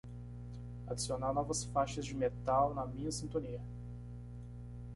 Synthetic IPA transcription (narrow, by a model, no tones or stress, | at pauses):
ad͡ʒisionanɔvɐsfaʃɐzd͡ʒɪmet̪awnɐmĩɲɐsĩnt̪õniɐ